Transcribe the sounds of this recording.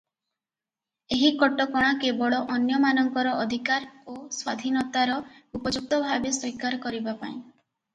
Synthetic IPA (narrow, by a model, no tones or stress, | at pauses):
eɦikɔʈɔkɔɽ̃akebɔɭɔʔɔnjɔmanɔŋkɔɾɔʔɔd̪ʱikaɾoswad̪ʱinɔt̪aɾɔupɔd͡ʒuk̚t̪ɔbʱabeswikaɾɔkɔɾibapa̰ĩ